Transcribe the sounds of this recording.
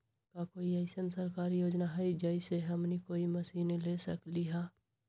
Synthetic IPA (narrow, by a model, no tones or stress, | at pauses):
kakoːiɐɪsənsəɾkaːɾijoːd͡ʒnaɦɛid͡ʒɐɪseɦɐmnikoːimɐsiːnelesəkliɦa